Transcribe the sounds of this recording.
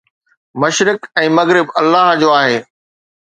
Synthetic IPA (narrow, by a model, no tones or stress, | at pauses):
mɐʃɾɪkɛ̃ːmɐɣɾɪbɐlːaːɦd͡ʑoːaːɦeː